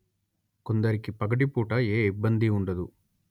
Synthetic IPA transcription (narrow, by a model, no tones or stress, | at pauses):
kond̪ɐɾikipɐɡɐʈipuːʈɐeːibːɐnd̪iuɳɖɐd̪u